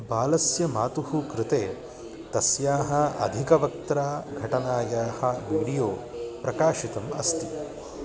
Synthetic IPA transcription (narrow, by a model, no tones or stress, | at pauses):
baːlɐsjɐmaːt̪uɦukɾɪt̪eː | t̪ɐsjaːɦɐ̆ɐ̰d̪ʱikɐʋɐk̚t̪ɾaːɡʱɐʈɐnaːjaːhɐʋiːɽijoːpɾɐkaːʃit̪ɐmɐ̰st̪i